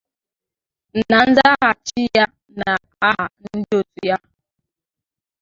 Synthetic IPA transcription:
n̩˨na˨n̩˦za˦ɦa˨t͡ʃi˦ja˦ | na˨ | a˦ɦa˨n̩˦dɪ˦o˦tu˦ja˦

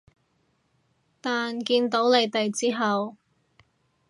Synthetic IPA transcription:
t̪aː˨nkiː˧nt̪o˨˥wle˨˧jt̪ɐ˨˩jt͡siː˥ɦɐ˨w

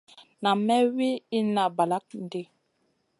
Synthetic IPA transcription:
na˨mɛ˦wi˦i˦na˨ba˨la˦k̚n̩˨di˦˨

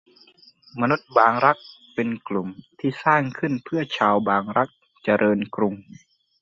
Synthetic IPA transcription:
ma˧nu˦˥t̪̚baː˨˧ŋɾa˦˥k̚ | pe˧nklu˨˩mt̪ʰiː˧˩saː˥˩ŋkʰɯ˧˥˨npʰɯ˥˩ɐt͡ɕʰaː˧wbaː˨˧ŋɾa˦˥k̚ | t͡ɕa˧ɾʔɤː˧nkɾu˧ŋ

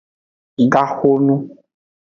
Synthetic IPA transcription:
i˨ɡa˦xo˦nũ˦

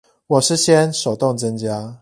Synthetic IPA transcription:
wɔ˨˩ʂɻ̩˥˧ɕjɛ˦nʂo˨˩ʊt̪o˥˨ŋt͡sə˦ŋt͡ɕja˦

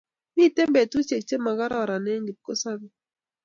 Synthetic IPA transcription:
ni˦˨te˦mbɛ˨tu˦t͡ʃe˨k̚t͡ʃe˦ma˨ɡa˦ɾɔ˦˨ɾa˨nɛ˦ŋɡi˨p̚ko˦sa˦bi˦

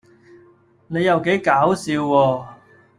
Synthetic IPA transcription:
ne˨˧jɐ˨wke˨˥jkaː˨˥wsiː˨˧wːɔː˧

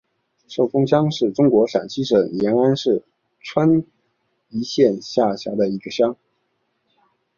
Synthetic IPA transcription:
ʂo˥˩ʊfʊ˥ŋɕ̬jɑ˥ŋʂɻ̩˥˩ʈ͡ʂʊ˥ŋkwɔ˧˥ʂa̰˨˩nt͡ɕʰi˥ʂə˨˩ŋjɛ˧˥na˥nʂɻ̩˥˩ | ʈ͡ʂʰwa˥n | i˧˥ɕjɛ˥˧nɕja˥˩ɕjɑ˧˥d̪ə˧i˧˥ɡə˧ɕjɑ˥ŋ

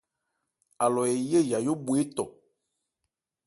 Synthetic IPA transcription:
a˨lɔ˨e˨je˦ja˨jo˦bu˨e˦t̪ɔ˨

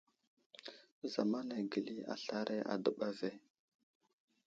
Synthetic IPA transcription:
za˨ma˦na˨ɡə˨li˦a̰˨ɬa˦ɾʔe˦ʔa̰˨də˦ɓa˦ve˦

